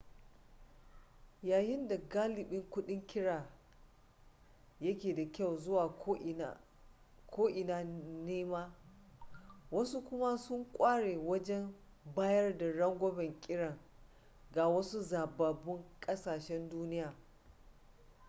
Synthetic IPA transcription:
jaː˨jɪ˦nda˨ɡaː˦lɪ˨ɓɪ˦ŋkʷʊ˦ɗɪ˦ŋkʲɪ˦ɽaː˨ | jɐ˦kʲeː˨da˨kʲa˦˨wzʊ˦waː˨˦ | kʰoː˦ʔɪ˨naː˦˨neː˦maː˦ | wɐ˦su˦kʷʊ˦ma˦sʊ˦ŋkʷʼaː˦ɽeː˨wɐ˦d͡ʒɛ˦m | baː˦jɐ˦rda˨ɽɐ˦ŋɡʷɔ˦bɛ˨ŋkʲʼɪ˦ɽɐ˨ŋ | ɡa˨wɐ˦su˦zaː˨baː˨bʊ˦ŋkʼɐ˦saː˨ʃɛ˦nduː˦nɪ˦jaː˨

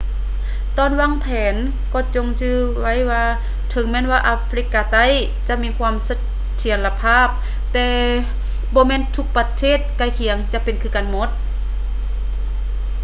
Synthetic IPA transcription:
t̪ɔː˧˨nwaː˧˥˨ŋpʰɛː˨˦n | kɔː˧˩t͡ɕo˧ŋt͡ɕʰɯː˧ | wa˧˥˨jwaː˧ | t̪ʰɤ˨˧˦ŋmɛː˧˥˨nwaː˧ʔaː˧fʰɾi˧˥kːaː˧t̪a˧˥˨j | t͡ɕa˧˦ʔmiː˧˥˨kʰwaː˧˥˨msa˧ | t̪ʰi˨˩˦ənla˧pʰaː˧˥˨p̚ | t̪ɛː˧ | bɔː˧˦mɛː˧˥˨nt̪ʰu˧˥k̚pa˧t̪ʰeː˧˥˨t̪̚ka˧˩˨jkʰi˨˩˦əŋt͡ɕa˧ʔpe˨nkʰɯː˧˨ka˧˨nmo˧˥t̪̚

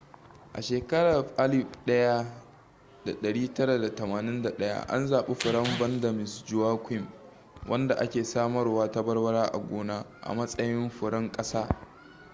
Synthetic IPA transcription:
ʔa̰˨ʃeː˨kɐ˦ɽa˨rɸʔa˦lɪ˨ɸɗɐ˦ja˦ | da˨ɗɐ˨ɽiː˦tɐ˦ɾa˨da˨tɐ˨maː˨nɪ˦nda˨ɗɐ˦ja̰˦ʔa̰˦nzaː˨ɓe˦ɸʊ˨ɽɐ˦mbɐ˦ndɐ˨mɪ˨sd͡ʒʊ˦waː˦kʷɪ˦m | wʔɐ˦nda˨ʔa˦kʲeː˨saː˦mɐ˦rwaː˦ta˦bɐ˦rwɐ˦ɽaː˦ʔa̰˨ɡʷoː˦naː˦ʔa̰˨mɐ˦sʼɐ˦jɪ˦mɸʊ˨ɽɐ˦ŋkʼɐ˦saː˦

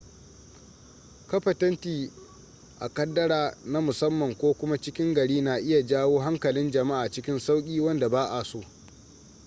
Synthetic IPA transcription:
kɐ˦ɸɐ˨tɐ˦ntiː˨ | ʔa̰˨kɐ˦dːɐ˦ɽaː˨na˦mʊ˨sɐ˦mːɐ˨ŋkʷoː˦kʷʊ˦ma˦t͡ʃɪ˦kʲɪ˦ŋɡɐ˨ɽiː˦na˨ʔɪ˦ja˨d͡ʒaː˦woː˦ɦa˦ŋkɐ˨lɪ˦nd͡ʒɐ˨ma˦ʔaː˨t͡ʃɪ˦kʲɪ˦nsa˦wkʲʼiː˦wɐ˦nda˨baː˦ʔa˨soː˦˨

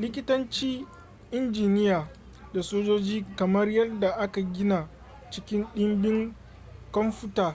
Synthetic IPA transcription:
lɪ˦kʲɪ˦tɐ˦nt͡ʃiː˦ | ʔɪ˦nd͡ʒiː˨nɪ˦jaː˨ | da˨soː˦d͡ʒoː˦d͡ʒiː˦kɐ˨mɐ˦rjɐ˦da˨ʔa˦ka˨ɡʲɪ˦na˨ | t͡ʃɪ˦kʲɪ˦nɗɪ˦mbɪ˦ŋ | kɔ˦mɸʊ˦taː˨

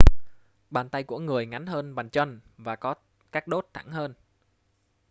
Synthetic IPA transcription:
ɓaː˨˩nt̪a˧jku˧˩əŋɨ˨˩əjŋa˨˦nhəː˧nɓa˨˩ŋt͡ɕwə˧nvaː˨˩kɔ˨˦ | kaː˦˥k̚ɗo˦˥t̚t̪ʰa̰˧˩ŋhəː˧n

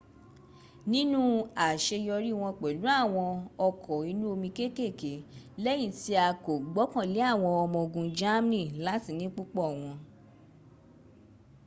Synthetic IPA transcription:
nĩ˦nũ˦a˨ʃe˧jɔ˧ɾi˦˨w̃ɔ̃˧k͡pɛ˨lu˨˦a˦˨w̃ɔ̃˧ɔ˧kʰɔ˨i˨˧˦nũ˦o˧mĩ˧ke˦˨ke˦˨ke˨˦lɛ˦j̃ĩ˦˨ti˧˦a˧ko˨ɡ͡bɔ˨˦kã˦˨le˨˦a˦˨w̃ɔ̃˧ɔ˧mɔ̃˧ɡũ˧d͡ʒa˦m˦nĩ˦˨la˨˦ti˦˨nĩ˦k͡pu˦k͡pɔ˦˨w̃ɔ̃˧

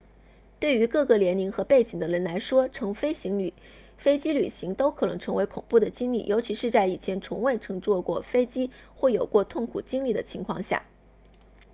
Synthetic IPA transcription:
t̪we˥˩ɪy˧˥kɤ˥˧ɡɤ˥˩ljɛ˧˥nli˧˥ŋxɤ˧˥pe˥˩ɪt͡ɕi˨˩ŋd̪ə˦ɻə˧˥nla˧˥ɪʂwɔ˥ʈ͡ʂʰɤ˧˥ŋfe˥ɪɕi˧˥ŋ˨˩ | fe˥ɪt͡ɕi˥ly̰˨˩ɕi˧˥ŋt̪o˥ʊkʰɤ˨˩nɤ˧˥ŋʈ͡ʂʰɤ˧˥ŋwe˧˥ɪkʰʊ˨˩ŋpu˥˩d̪ə˩t͡ɕi˥ŋlḭ˥˩jʔo˧˥ʊt͡ɕʰi˧˥ʂɻ̩˥˧t͡sa˥˩ɪi˨˩t͡ɕʰjɛ˧˥nt͡sʰʊ˧˥ŋwe˥˩ɪʈ͡ʂʰɤ˧˥ŋt͡swɔ˥˧kwɔ˥˩fe˥ɪt͡ɕi˥ | xwɔ˥˩jo˨˩ʊkwɔ˥˧t̪ʰʊ˥˩ŋkʰṵ˨˩t͡ɕi˥ŋli˥˩d̪ə˩t͡ɕʰi˧˥ŋkʰwɑ˥˧ŋɕja̰˥˩

